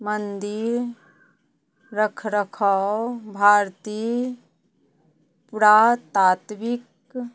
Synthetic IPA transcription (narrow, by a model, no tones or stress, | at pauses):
mənd̪iɾ | əkʰɾəkʰɔbʱaːɾt̪i | puɾat̪at̪bik